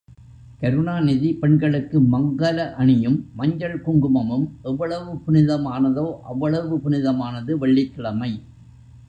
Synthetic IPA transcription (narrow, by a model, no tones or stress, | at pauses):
kɐɾɯɳaːnɪðipɛɳɡɐɭɯkːɯmɐŋɡɐlɐʔɐɳɪjɯmːɐɲd͡ʒɐɭkʊŋɡɯmɐmɯmʔɛʋːɐɭɐʋɯpʊnɪðɐmaːnɐðoːʔɐʋːɐɭɐʋɯpʊnɪðɐmaːnɐðɯʋɐɭːɪkːɪɭɐmɐɪ